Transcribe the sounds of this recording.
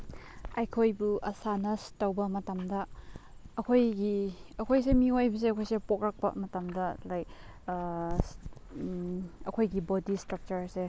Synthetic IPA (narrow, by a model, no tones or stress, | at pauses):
ajkʰojbuʔɐsanɐstɐwbɐmɐtɐmdɐː | kʰojɡiɐkʰojs̬emiojbɐs̬eɐkʰojsepok̚ɾɐk̚pɐ̰mɐtɐmdɐlajk̚ | ɐkʰojɡibodistɾɐk̚t͡ʃɐɾse